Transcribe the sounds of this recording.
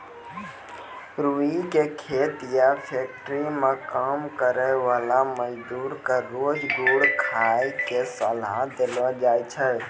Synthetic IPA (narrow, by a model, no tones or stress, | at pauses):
ɾuikekʰeːt̪japʰeːk̚ʈɾimẽkaːmkəɾəʋaːlaməd͡ʒd̪uːɾkaɾoːd͡ʒɡuːɽkʰaːikesəlad̪elad͡ʒaːjt͡ʃʰɛ